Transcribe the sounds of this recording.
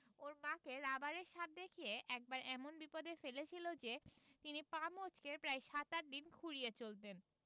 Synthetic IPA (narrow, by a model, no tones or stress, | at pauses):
oɾmãkeɾabaɾeɾʃat̪̚d̪ekʰijeʔɛk̚baɾɛmonbipod̪efelet͡ɕʰilod͡ʑet̪inipamot͡ɕkepɾajʃat̪aɾ̚d̪inkʰuɽijet͡ɕolt̪en